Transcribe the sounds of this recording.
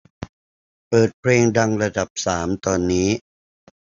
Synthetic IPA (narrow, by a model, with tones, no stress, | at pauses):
pɤː˨˩t̪̚pʰɾeː˧ŋda˧ŋɾa˧da˨˩p̚saː˩˦mt̪ɔː˧nːiː˦˥